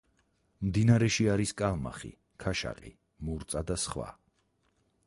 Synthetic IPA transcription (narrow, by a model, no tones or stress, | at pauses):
md̪inaɾɛʃiaɾiskʼalˠma̰χḭ | kʰaʃa̰qʼḭ | muɾt̪sʼad̪asχwa̰